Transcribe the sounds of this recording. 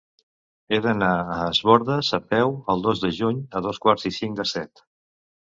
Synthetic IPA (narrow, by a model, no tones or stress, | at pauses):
eðənaəːzβɔɾðəsəpɛwəlˠd̪ozd̪əʒuɲəðoskwaɾzisiŋd̪əsɛt̪